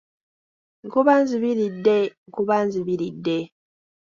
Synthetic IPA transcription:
ŋ̩kuβaːnziβilidːeŋkuβanziβiɾidːe

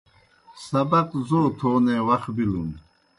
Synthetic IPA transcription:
sɐbɐqzoːt̪ʰoːnẽːwɐxbilun

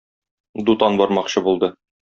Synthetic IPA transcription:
d̪ut̪ɑnbɒɾmɑqɕɤbulˠd̪ɤ

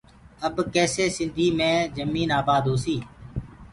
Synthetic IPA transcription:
əbkɛːseːsɪ̃nd̪ʱiːmẽːzəmiːnaːbaːd̪ɦoːsiː

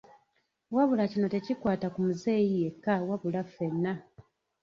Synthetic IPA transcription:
waβulacino̞te̞cikwaːtakumuze̞ːjije̞kːawaβulafe̞nːa

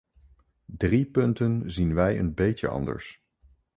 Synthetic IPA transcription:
dripɵntənzinʋɛjə̰nbejə̰ɑ̰ndə̰ɹs

